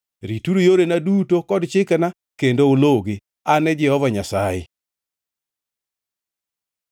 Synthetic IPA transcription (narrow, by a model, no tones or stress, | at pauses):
ɾituɾojoɾenadutokɔdt͡ʃɪkana | kendooloɡɪ | anɛd͡ʒɪhɔvaɲasajɪ̰